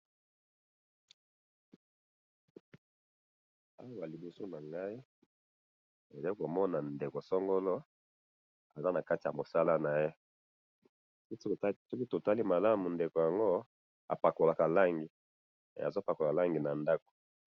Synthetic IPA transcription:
a̰˦wa˦wa˨li˨bu˨so˦na˨ŋɡa˦i˦ | e˨de˦ko˨mɔ˦na˨nde˨ko˨sɔ˦ŋɡo˦lɔ˦ | a˨za˦na˨ka˦ti˨ja˨mo˨sa˦la˦na˨je˦ | sɔ˦ki˦to˨ta˦li˦ma˨la˦mu˨nde˨ko˨ja˨ŋɡo˦ | a̰˨pa˨ko˨la˨ka˨la˦ŋɡḭ˨ | a̰˨zo˦pa˨ko˨la˨la˦ŋɡi˨na˨nda˦ko̥˨

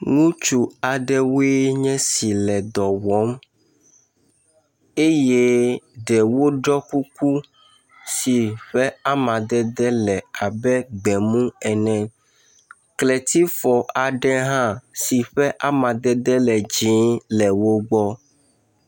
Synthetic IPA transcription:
ŋũ˦t͡ʃu˨a˨ɖɛ˦we˦ɲɛ̃˦si˨lɛ˨d̪ɔ˨wɔ˨˦m | e˦je˦ɖɛ˨wo˦ɖɔ˦ku˦ku˦ | si˨ɸɛ˦a˦mã˨d̪ɛ˦d̪ɛ˦lɛ˨a˨bɛ˦ɡ͡bɛ˨mũ˦ɛ˨nɛ̃˨ | klɛ˨t̪i˦fɔ˨ʔa˨ɖɛ˦ɦã˦si˨ɸɛ˦ʔa˦mã˨d̪ɛ˦d̪ɛ˦lɛ˨d͡ʒĩ˨˦lɛ˨wo˦ɡ͡bɔ˦

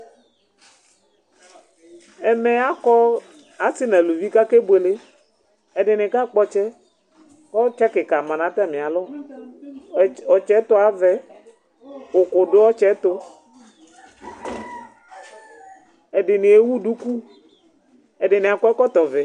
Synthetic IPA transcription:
ɛ˨me˨a˦kɔ˦ | a˨si˦nɛ̃˨lu˨vi˦ka˦ke˦be˨le˦ | ɛ˨ɖɪ˨ne˨ka˦k͡pɔ˦t͡ʃɛ˦ | kɔ˦t͡ʃɛ˦ke˨ka˨mã˨nã˨˦t̪a˦˨mẽ˨a˨lɔ˦ | ɔ˨t͡ʃɛ˦t̪o˦a˨vɛ˨ | o˨ko˨ɖo˦ɔ˦t͡ʃɛ˦t̪o˦ | e˨ɖɪ˨ne˨e˦wu˦ɖu˦ku˦ | e˨ɖe˨ne˨a˨kɔ˦ɛ˦kɔ˦t̪ɔ˨vɛ˨

